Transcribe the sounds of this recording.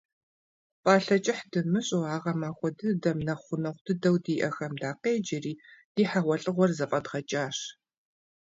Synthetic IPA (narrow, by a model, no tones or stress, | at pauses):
pʼaːɬɐt͡ʃʼɪħdɨmɨɕʼoaːʁɐmaːxʷɔdɨdɐmnɐχʷʊnɐχʷd̥ɨdɐwdiːʔɐxɐmdaːqeːd͡ʒɪriːd̥iːħaʁʷɐɬʼɨʁʷɔrzɐpʼɐdʁɐt͡ʃʼaːʂ